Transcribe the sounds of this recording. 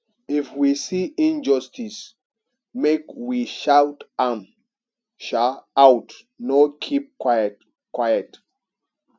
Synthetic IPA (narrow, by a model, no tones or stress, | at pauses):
ifwisiʔĩnd͡ʒʌstis | mekwiʃawtam | ʃaawt | nɔkʰip̚kwa | kʰwajət